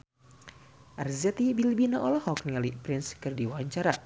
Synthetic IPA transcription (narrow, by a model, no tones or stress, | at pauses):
ʔarzɛt̪ibilbinaʔɔlɔhɔkniŋalipɾɪnskɨrdiwaaɲt͡ʃaɾa